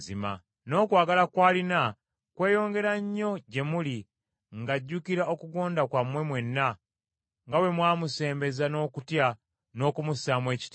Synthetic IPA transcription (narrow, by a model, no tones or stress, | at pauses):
zḭma̰ | no̞ːkwaːɡalakwaːlina | kwe̞ːjo̞ːŋɡe̞ɾaɲːo̞ɟe̞muli | ŋɡaɟːukiɾao̞kuɡo̞ːndakwamwe̞mwe̞nːa | ŋɡawe̞mwaːmuse̞ːmbe̞zano̞ːkutja | no̞ːkumusaːmwe̞ːci̥t